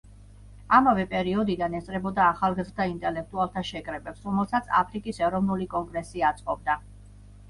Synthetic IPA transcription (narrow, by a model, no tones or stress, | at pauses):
amavɛpʼɛɾiɔd̪id̪anɛst̪sʼɾɛbɔd̪aːχalˠɡazɾd̪ʰaint̪ʼɛlɛk̚ʰt̪ʼualˠt̪ʰaʃɛkʼɾɛbɛpsɾɔmɛlˠsat̪sʰa̰pʰɾikʼisɛɾɔvnulikʼɔŋɡɾɛsiat̪sʼqʼɔbd̪a